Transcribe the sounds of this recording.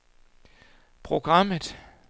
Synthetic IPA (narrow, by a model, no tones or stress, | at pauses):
pʰʁo̝ɡ̥ʁɑ̈m̰ð̩ˠ